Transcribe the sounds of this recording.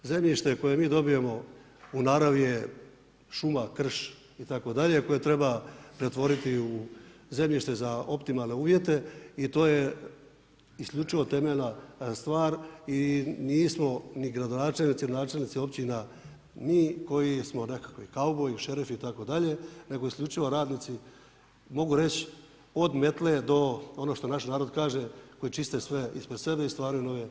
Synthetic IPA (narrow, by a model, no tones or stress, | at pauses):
ze̞mʎiʃt̪e̞ko̞je̞miːd̪o̞bijemo̞ | unaɾaʋje | ʃumakr̩ʃ | it̪ako̞d̪aʎe̞ko̞jet̪ɾe̞bapɾe̞t̪ʋo̞ɾit̪iuze̞mʎiʃt̪e̞zao̞pt̪imalˠne̞uːʋje̞t̪e̞it̪o̞ːje̞ | isklʎʲut͡ʃiʋo̞t̪e̞meʎnast̪ʋaːɾiniːsmo̞niɡɾad̪o̞naːt͡ʃelnit̪innaːt͡ʃelnit̪sio̞pt͡ɕina | miːko̞jismo̞ne̞kakoikaubojiʃe̞ɾifiit̪ako̞d̪aʎe̞ne̞ɡo̞iskʎʲut͡ʃiʋo̞ɾaːd̪nit̪si | mo̞ɡuɾe̞t͡ɕ | o̞d̪me̞t̪led̪o̞o̞noʃt̪o̞naʃnaːɾo̞d̪kaːʒeko̞jit͡ʃist̪esʋe̞ḭspɾe̞d̪se̞beist̪ʋaːɾujuno̞ʋe